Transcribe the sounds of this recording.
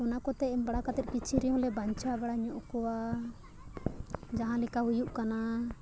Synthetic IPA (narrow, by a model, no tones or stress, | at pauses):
ɔnakɔt̪ɛɛmbaɽakat̪ɛt̪̚ˀkit͡ʃʰiɾijɔ̃lɛbaɲt͡ʃabaɽaɲɔʔkɔwa | d͡ʒaɦãlikaujuʔkana